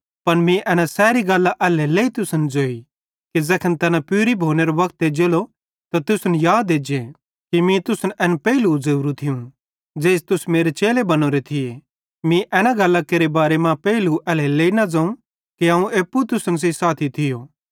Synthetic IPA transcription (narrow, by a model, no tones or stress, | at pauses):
pɐnmĩʔɛːnãsɛːɾiɡɐlːaʔɛːleleːit̪ʊsənd͡zoːi | kid͡zɛkʰənt̪ɐnãpuːɾibʱoːneɾoʋɐkt̪ed͡ʒelo | t̪at̪ʊsənjaːd̪eːd͡ʒẽ | kimĩt̪ʊsənɛnpɛɪlud͡zɐɾuɾut̪ʰɪũ | d͡ʒeːst̪ʊsmeːɾet͡ʃeːlebɐnoːɾet̪ʰɪje | mĩʔɛːnaɡɐlːakeːɾebaːɾemãpɛɪluʔɛːlɛleːinad͡zɐũ | kiɦaːũʔeːpːut̪ʊsəns̬isaːt̪ʰit̪ʰɪjoː